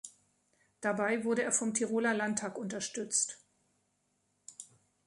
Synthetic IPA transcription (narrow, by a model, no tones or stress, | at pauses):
d̥abaɪvʊɐɾəeːɐfɔmtʰiʁoːlalantʰaːkʊntɐʃtʏt͡st